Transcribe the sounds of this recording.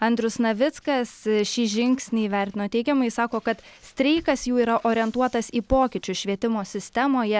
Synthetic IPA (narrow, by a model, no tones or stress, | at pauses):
ɐnʲd̪ʲɾʲʊsnɐʋʲɪt̪skɐsʃʲiːʒʲɪŋksʲnʲɪiːʋʲɛɾʲt̪ʲɪnoːt̪ʲɛɪɡʲɛmɐɪsɑːkoːkɐt̪ | sʲt̪ʲɾʲɛɪkɐsjuːiːɾɐʔoːɾʲɛnt̪uɔt̪ɐsiːpoːkʲɪt͡ʃʲʊʃʲʋʲiɛt̪ʲɪmoːsʲɪsʲt̪ʲɛmoːjɛ